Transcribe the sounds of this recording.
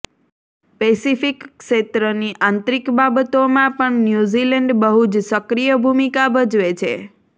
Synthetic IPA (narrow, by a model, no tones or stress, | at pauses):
pesifikːʃet̪ɾəniʔãnt̪ɾikbabət̪omãpəɳnjuzilɛɳɖbəɦud͡ʒsəkɾijəbʱumikabəd͡ʒʋet͡ʃʰḛ